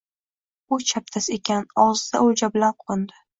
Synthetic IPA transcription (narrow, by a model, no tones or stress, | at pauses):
ʊt͡ʃʰap̚t̪ʰasekʲʰanɒzd̪a̰ʊd͡ʒablaɾqʰʊɨnd̪ɪ